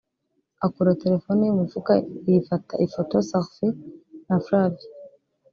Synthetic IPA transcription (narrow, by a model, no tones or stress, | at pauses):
akuɾateɾefonijimufukaifata̰ʔifotosaxfinafɾavi